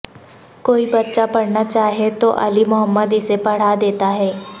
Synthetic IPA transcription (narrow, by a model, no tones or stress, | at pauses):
koːibɐtːʃapɐɽnat͡ʃaːɦiet̪oʔɐlimʊɦəmːəd̪ɪsepɐɽ̤ad̪eːt̪aɦɛː